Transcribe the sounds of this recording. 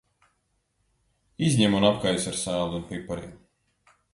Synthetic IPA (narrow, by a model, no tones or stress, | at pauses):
izʲɲɛmunapkajusaɾsæːlˠunpipaɾḭm